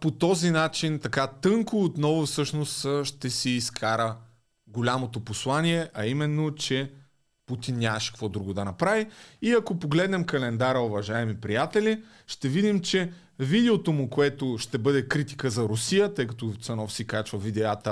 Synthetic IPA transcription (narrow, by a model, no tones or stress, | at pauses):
pot̪ɔzinat͡ʃint̪ɐkat̪ɤŋkʊːt̪nɔvofsɤʃnost̪ʃt̪ɛsiːskʰaɾə | ɡolʲamot̪oposlˠaniɛʔɐimɛnːot͡ʃɛ | put̪inːʲaɐʃɛ̥kvɔd̪ɾuɡod̪ɐnɐpɾaviiɐkopoɡlɛd̪nɛmkɐlɛnd̪aɾəʊvɐʒaɛmipɾijat̪ɛlʲi | ʃt̪ɛvid̪imt͡ʃɛ | vid̪ɛot̪omʊkoɛt̪oʃt̪ɛbɤd̪ɛkɾit̪i̥kəzɐɾʊsijət̪ɤjkɐt̪ot̪sɐnɔfsikat͡ʃvɐvid̪ɛat̪ə